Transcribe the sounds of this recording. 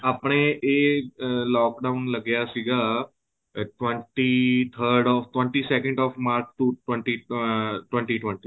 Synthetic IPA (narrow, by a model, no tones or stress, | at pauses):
apɽ̃eʔe | lɔk̚ɖaunləɡjasiɡa | ʈʋəɳʈit̪ʰəɾɖɔfʈʋə̃ɳʈiːsekə̃ɳɖɔfmaɾt͡ʃt̪uʈwəɳʈiʈʋə̃ɳʈiʈʋəɳʈi